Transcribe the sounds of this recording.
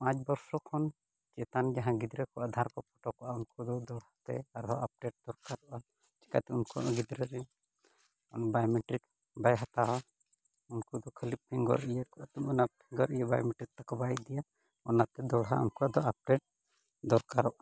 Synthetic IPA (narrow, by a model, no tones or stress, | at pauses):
pãt͡ʃbɔɾsɔkʰɔn | t͡ʃɛt̪and͡ʒaɦãɡid̪ɾɛkɔʔad̪ʱaɾkɔpʰɔʈɔkɔʔaunkud̪ɔd̪ɔɽhat̪ɛ̰aɾɦɔap̚ɖeʈ̚d̪̥ɔɾkaɾɔʔa | t͡ʃɛ̥ka̰t̪ɛunkuʔaɡid̪ɾɛɾɛ | ɔnbajɔmeʈɾik | bajɦat̪aɦɔ | unkud̪ɔkʰəlip̚pʰiŋɡɔ̰ɾɛjɛkɔʔat̪ɛɔnapʰiŋɡɔɾɛjɛba̰jɔmeʈɾik̚t̪akɔbajd̪ɛja | ɔnat̪ɛd̪ɔɽɦa̰ṵnkuʔad̪ɔap̚ɖeʈ̚ | d̪ɔɾkaɾɔʔa